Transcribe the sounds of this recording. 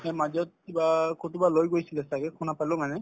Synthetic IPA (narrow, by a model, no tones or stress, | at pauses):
ɛmazɔt̚kibakotubalojɡojsilɛsaɡɛkʰunapalɔ̃manɛ